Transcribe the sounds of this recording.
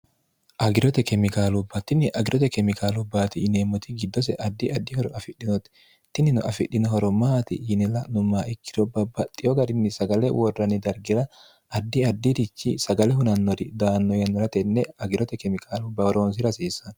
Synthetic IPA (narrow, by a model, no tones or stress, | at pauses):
ʔɐɡɪɾɔt̪ɛkɛmɪkaːlʊbːɐt̪ɪnːɪʔɐɡɪɾʔɔt̪ɛkɛmɪkʰaːlʊbːaːt̪ɪːneːmːɔt̪ɪɡɪd̪ːɔs̬ɛʔɐd̪ːiɐd̪ːɪhɔɾɔɐfɪɗɪnɔt̪ | t̪ɪnːɪnʊ̰ʔɐfɪᶑːɪnɔɦɔɾɔmaːt̪ɪ̰ɪnɛlɐnʊmaːɪkːɪ̥ɾɔbːɐbːɐt̪ʼːɪjɔɡɐɾɪnːɪsɐɡɐlɛwɔrːɐnɪd̪ɐɾɡɪɾɐ | ɐd̪ːɪɐd̪ːid̪ɪt͡ʃːisɐɡɐlɛɦʊnɐnːɔd̪ɪd̪aːnːɔjɐnːɔɾɐt̪ɛnːɛɐɡɪɾɔt̪ɛkɛmɪkʰaːlʊbːɐhɔɾoːns̬ɪɾɐsiːsɐn